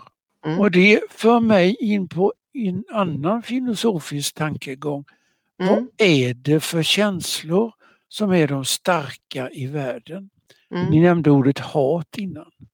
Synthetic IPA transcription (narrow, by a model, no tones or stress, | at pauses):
ɔd̪ɛfœːɾmɛjɪnːpʰɔ | ɛnanːanfɪlʊsuːfɪsk̚t̪ʰaŋkəɡɔŋː | vaæɖɛfœɾɕɛnslʊɾ | sɔmæɖɔmst̪aɾkaʔɪvæːɖən | nɪnɛmnd̪əuːɖət̪hɑːt̪ɪnːan